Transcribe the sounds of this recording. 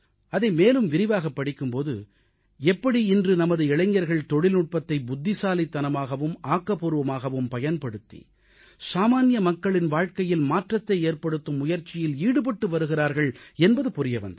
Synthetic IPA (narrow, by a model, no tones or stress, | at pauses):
ɐðɐɪmeːlɯmʋɪɾɪʋaːɣɐpːɐɽɪkːɯmpoːðɯ̰ | ɛpːɐɽiɪndrɯnɐmɐðɯɪɭɐɲɡɐɾɣɐɭt̪ɔɽɪlnʊʈ̚pɐt̪ːɐɪbʊd̪ːɪsaːlit̪ːɐnɐmaːɣɐʋɯmaːkːɐpuːɾɯʋɐmaːɣɐʋɯmpɐjɐnpɐɽɯt̪ːḭ | saːmaːnɪjɐmɐkːɐɭɪnʋaːɻkɐjɪlmaːʈrɐt̪ːɐɪeːɾpɐɽɯt̪ːɯmːʊjɐɾt͡ʃːɪjɪliːɽɯpɐʈːɯʋɐɾɯɣɪɾaːɾɣɐɭɛnbɐðɯpʊɾɪjɐʋɐ̰nd̪ɐ